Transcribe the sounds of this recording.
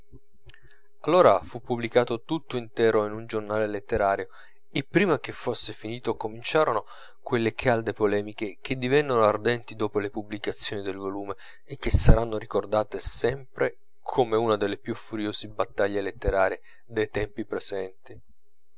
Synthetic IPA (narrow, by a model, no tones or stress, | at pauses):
alːoːɾafupːublikaːt̪ot̪ut̪ːoint̪ɛːɾoinund͡ʒornaːlelet̪ːeɾaːɾjo | ilpɾiːmak̟efːosːefiniːt̪okomint͡ʃaːɾono | kwelːekʰald̪epolɛːmik̟ek̟ʰed̪ːivɛnːonoard̪ɛnt̪id̪oːpolepublikat̪sːjoːnid̪elvoluːmeː | k̟ːesːaɾanːoɾikord̪aːt̪esɛmpɾe | kʰomeunad̪elːepjufːuɾjoːzibat̪ːaʎːelet̪ːeɾaːɾie | d̪ejt̪ɛmpipɾezɛnt̪i